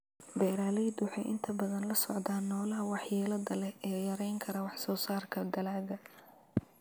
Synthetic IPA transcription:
bɛːɾaːlɛjd̪wħɑ̰jʔɪ̰nt̪ʰɐbɐðɐnlɐsɔ̰ʕd̪aːnːɔːlɐɦɐwɑħjɛːlɐdɐlɛɛːjɐɾɛjŋkʰɐɾɐwɑħsɔːsaːrkʰɐd̪ɐlaːɣɐ

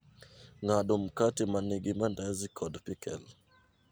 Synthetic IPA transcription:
ŋaɗɔm̩katimaniɡimandazikʰɔdpikɛ̰l

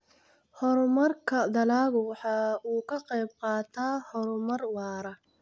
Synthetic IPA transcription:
hɔɾmɐrkʰɐd̪ɐlaːɣʊwɑħɑːuːkʰɐqɛjb̚qɑːt̪ʰaːhɔɾmɐrwɑːɾɐ

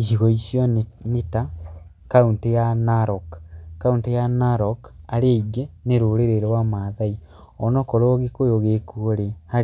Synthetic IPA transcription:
iʃiɣɔisjɔneta | kauntejanaɾɔkːauntejanaɾɔkaɾeiɡeneɾoɾeɾeɾɔwamaðai | ɔnɔkɔɾoɔɣekojoɣekuoɾeha

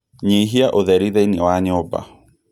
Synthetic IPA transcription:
ɲeiɦiaʔoðɛɾiðɛinewaɲɔba̰

